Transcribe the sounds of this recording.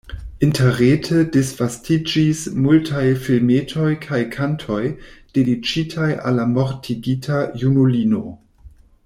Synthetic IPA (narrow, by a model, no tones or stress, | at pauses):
inteɾetʰədisv̥astid͡ʒismultʰajfilmetʰo̞jkʰajkʰantʰo̞jd̥edit͡ʃitʰajʔa̰lamoɾtʰiɡitʰajunulino̰